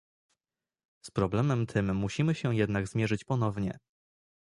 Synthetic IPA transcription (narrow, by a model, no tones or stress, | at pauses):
spɾɔblɛmɛmt̪ʰɘmːuɕimɘɕɛjɛd̪naɡzmʲjɛʐɘt͡ɕpɔnɔvɲɛ̰